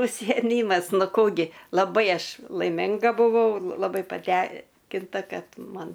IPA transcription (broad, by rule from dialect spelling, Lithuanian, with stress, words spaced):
ʊʃʲsʲɪjɛˈmʲiːmɐs ˈnʊ ˈkuː ɡʲɪ lˠɐˈbɐɪ ˈɐʃ lˠɐɪˈmʲɪŋɡɐ bʊˈʋɐʊ lˠɐˈbɐɪ pɐˈtʲɛŋʲkʲɪntɐ ˈkɐt ˈmɐn